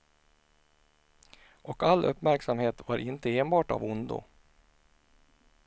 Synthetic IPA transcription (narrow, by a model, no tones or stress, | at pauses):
ʔɔkalːʔɵpːmæɾksamheːt̪vaɾɪnt̪əeːnbɑːʈa̰vʊnd̪ʊ̰